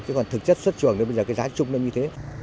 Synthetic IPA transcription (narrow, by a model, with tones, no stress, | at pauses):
t͡ɕa˨˦kɔ˨˩nt̪ʰɨ˨˩k̚t͡ɕə˦˥t̚swə˦˥t̚t͡ɕɨ˧˨əŋo˨˦ɓə˧zːkːaː˨˦zaː˨˦t͡ɕʊ˧ŋ͡mnə˧ɲɨ˧t̪ʰe˨˦